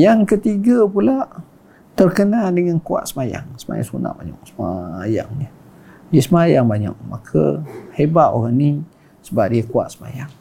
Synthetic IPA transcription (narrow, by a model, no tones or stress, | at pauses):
jaŋkət̪iɡapulaʔ | t̪ərkənadəŋankua̰ʔ̪səmaja̰ŋsəma̰ja̰ŋsṵna̰ʔba̰ɲa̰k̚səmaja̰ŋɲə | diəsəmajaŋbaɲa̰k̚makʰə̰hebaʔ̪o̰ɣaŋni | səbap̚diəkua̰ʔ̪səma̰jaŋ